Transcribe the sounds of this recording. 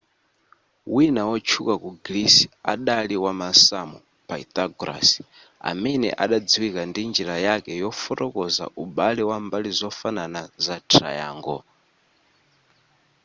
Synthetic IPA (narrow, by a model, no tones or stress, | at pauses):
winawɔt͡ʃʰukakuɡlisia̰ɗaliwamasamɔ | paḭt̪ʼaɡɾa̰si̥ | a̰mɛnɛ̰ʔaɗad͡ziwikandind͡ʒiɾajakɛjɔfɔɾɔkɔza̰ʔuɓalɛwambalizɔfananazatʰa̰ja̰ŋɡɔ̰